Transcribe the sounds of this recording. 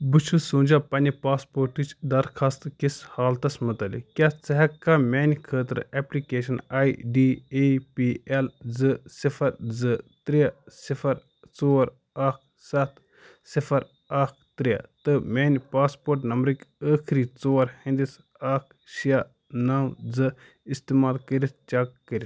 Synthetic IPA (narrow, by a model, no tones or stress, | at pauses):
bɨt͡ʃʰusũːnʲd͡ʒapɐnʲipaːspoːɾʈit͡ʃʰd̪ɐɾkʰɐst̪kishaːlt̪ɐsmɨt̪ɐlḭkʲaːt͡sɐɦɐkːaːmʲeːnʲkʰəːt̪ɾeplikeːʃɐnaːjɖiːepiːelzɨsifʰɐɾzɨt̪ɾiasifʰɐɾ | t͡soːɾ | aːk̚ʰ | sɐt̪ʰ | sifʰɐɾ | aːk̚ʰt̪ɾija̰t̪ɨmʲeːnʲpaːspoːɾʈnɐmbɾɨkəːkʰɾiːt͡soːɾhɐ̃nd̪is | aːk̚ʰ | ʃija | naːmd͡zɨ | ist̪eːmaːlkəɾist͡ʃɐkːəɾʲis